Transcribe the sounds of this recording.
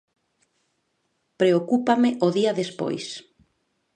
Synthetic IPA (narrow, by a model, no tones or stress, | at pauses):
pɾeokupamɪʔoðiɐðespo̰js